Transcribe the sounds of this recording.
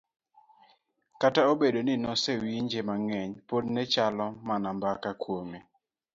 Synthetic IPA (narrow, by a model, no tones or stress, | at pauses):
kataobedonɪnɔsewiɲd͡ʒemaŋɛɲpodnɛt͡ʃalɔmanambakakwomi